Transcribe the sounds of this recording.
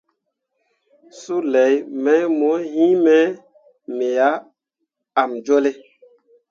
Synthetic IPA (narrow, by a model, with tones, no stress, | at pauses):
su˦lɛ˨˦jmɛ˨˦jmɔ˨˦ɦĩ˦mɛ˦ | me˨ja˦ | a˨md͡ʒo˦le˦